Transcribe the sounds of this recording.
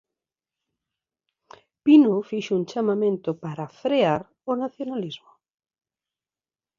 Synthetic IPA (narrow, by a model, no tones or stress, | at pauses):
pinofiʃʊuŋt͡ʃamamẽnt̪ʊpaɾafɾeaɾ | onaθjonalizmʊ